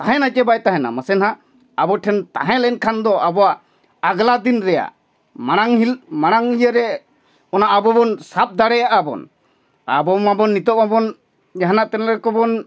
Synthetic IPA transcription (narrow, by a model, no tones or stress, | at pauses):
t̪aɦɛ̃nat͡ʃɛbajt̪aɦɛ̃na̰məsɛnɦa | abɔʈʰɛnt̪a̰ɦɛ̃lɛnkʰand̪ɔabɔwaʔː | ɡlad̪inɾɛja̰ | maɽ̃aŋɦilmaɽ̃aŋijəɾɛ | ɔnaʔabɔbɔnsap̚d̪aɽɛjaʔabɔ̰n | a̰bɔmabɔnːit̪ɔʔ̚mabɔn | d͡ʒaɦanaʔt̪ɛnlɡɛkɔbɔn